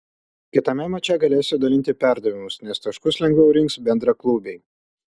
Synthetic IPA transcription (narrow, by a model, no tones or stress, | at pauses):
kʲɪt̪ɐmʲɛmɐt͡ʃʲɛɡɐlʲeːsʲɪd̪ɐlʲɪnʲt̪ʲɪpʲæˑɾd̪ɐʋʲɪmʊsnʲɛst̪ɐʃkʊslʲɛŋɡʋʲɛʊɾʲɪŋksbʲɛnd̪ɾɐklˠuːbʲeɪ